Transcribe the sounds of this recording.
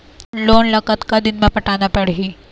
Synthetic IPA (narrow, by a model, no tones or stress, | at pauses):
loːnlɐkət̪kad̪inməpəʈanapɐɽ̤ɦi